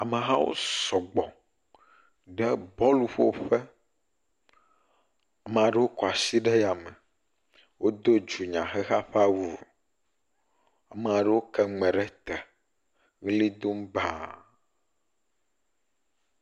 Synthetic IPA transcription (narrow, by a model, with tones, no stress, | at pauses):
a˨me˨ɦa̰˦wo̰˦sɔ˨ɡ͡bɔ˨ | ɖɛ˦bɔ˦lu˦ɸo˦˨ɸɛ˦ | a˨mẽ˨a˨ɖe˦wo˦kɔ˨a˨si˦ɖɛ˦ja˨mɛ˨ | wo˦d̪o˦d͡ʒu˨ɲã˨xɛ˦xa˦ɸa˦wu˨ | a˨me˨a˨ɖe˦wo˦kɛ˦ŋ͡mɛ̃˨ɖɛ˦t̪ɛ˨ | ɣe˦li˦d̪o˦m˦ba˨